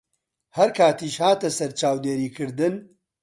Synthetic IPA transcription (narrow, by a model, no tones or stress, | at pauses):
hɐɾkʰaːt̪iːʃhaːt̪ɐsɐɾt͡ʃaːwd̪eːɾiːkʰɨɾd̪ɨn